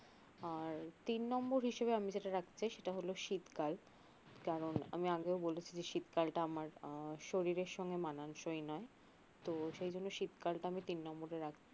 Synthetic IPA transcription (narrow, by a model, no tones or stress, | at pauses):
aɾt̪inːɔmboɾɦiʃebeamid͡ʑeʈaɾakʰt͡ɕʰiʃeʈaɦoloʃit̪kal | kaɾona̰miaɡeobolet͡ɕʰid͡ʑeʃit̪kalʈaamaɾʃoɾiɾeɾʃɔŋɡemananʃojnɔe | t̪oʃejd͡ʑonːoʃit̪kalʈaamit̪inːɔmboɾeɾakʰ